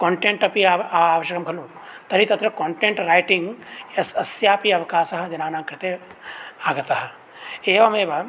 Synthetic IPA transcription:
koːɳʈeɳʈɐpiaaːʋɐʃjɐkɐmkʰɐloːt̪ɐɾit̪ɐt̪ɾɐkoːɳʈeːɳʈɾaːjʈĩŋɡesɐsjaːpiɐʋɐkaːsɐɦɐ̆d͡ʒɐnaːnaːkɾɪt̪e | aːɡɐt̪ɐɦɐ̆ | eːʋɐmeːʋɐ

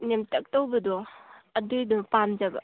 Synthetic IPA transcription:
nemtɐk̚towbɐdɔɐdɯdɔpamd͡ʒaba̰

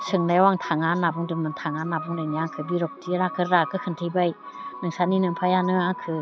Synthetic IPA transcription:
sɯŋnajwaŋtʰaŋanːabɯŋdɯmɯntʰaŋanːabɯŋdɯjniaŋkʰɯbiɾɔk̚tiɾakʰɯɾɾakʰɯkʰɯntʰijbaj | nɯŋsaninɯmpʰajanɯaŋkʰɯ

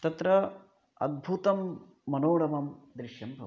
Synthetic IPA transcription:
t̪ɐt̪ɾɐ | ɐ̰d̪̚bʱut̪ɐmː | ɐnoːɽɐmɐmd̪ɾɪʂjɐmbʱɐʋ

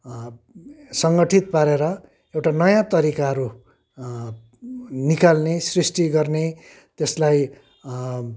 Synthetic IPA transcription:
sʌŋɡʌʈʰit̪̚paɾeɾʌ | ewʈanʌjãt̪ʌɾikaɦʌɾu | nikalnesrisʈiɡʌrne | t̪eslaj

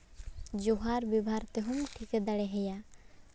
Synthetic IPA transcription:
d͡ʒuɦaɾbibʱaɾt̪eɦumʈʰikɛd̪aɽɛɦɛja

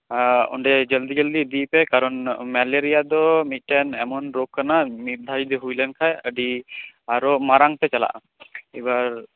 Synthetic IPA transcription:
ɔ̰ɳɖɛd͡ʒəld̪id͡ʒəld̪id̪ipɛkaɾɔnmɛleɾijad̪ɔmit̪̚ˀʈɛnɛmɔnɾokʰːanamiɾ̚d̪ʱad͡ʒid̪ɔɦujlɛnkʰajəɖiaɾɔmaɾaŋt̪ɛt͡ʃala̰ʔa̰ | ibaɾ

